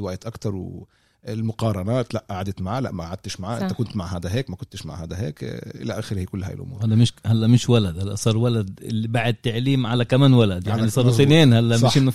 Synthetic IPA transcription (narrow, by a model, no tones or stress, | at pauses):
wajt̪ʔakt̪ɑɾˤw | ɪlmʊqɑːɾˤɑnaːt̪laʔʔaʕad̪ɪt̪maʕaːlaʔmaʔaʕad̪̚t̪ɪʃmaʕaːʔɪnt̪akʊnt̪maʕɦaːd̪aɦeːkmækʊnt̪ɪʃma̰ʕhaːd̪aɦḛːkʔɪ̰laʔæːxɪɾhikʊlːhæ̰jɪ̰lʔʊ̰muːɾhad̪æmɪʃhalːæʔmɪʃwalad̪halːæsˤɑːɾˤwalad̪ɪ̰lːibaʕɪd̪̚t̪ːaʕliːmʕalakamæːnwalad̪jaʕnisˤɑːɾˤsˤineːnhalːæʔmɪʃʔɪnː